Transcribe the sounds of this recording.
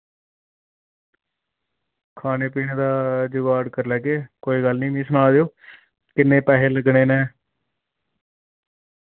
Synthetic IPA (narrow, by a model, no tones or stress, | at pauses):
kʰaːneːpiːñeːd̪aːd͡ʒʊɡaːɽkəɾlɛːɡeːkoːiːɡəlnĩːmĩːsənaːld̪eoː | kɪnːẽːpɛːɦeːləɡneːnɛ̃ː